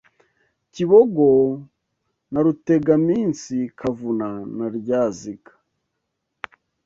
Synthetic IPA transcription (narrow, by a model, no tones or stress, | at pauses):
ciβoɡo | naɾute̞ɡamiːnsikʰavunanaɾɟaːzikḁ